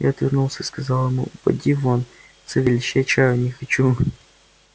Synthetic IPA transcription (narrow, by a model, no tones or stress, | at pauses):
ja̰ɐt̪vʲɪrnulˠsʲəiskɐzɑlˠjɪmṵpɐ̰dʲivon | t̪səvʲɪlʲɪɕɛt͡ɕajʊnʲɪxɐt͡ɕu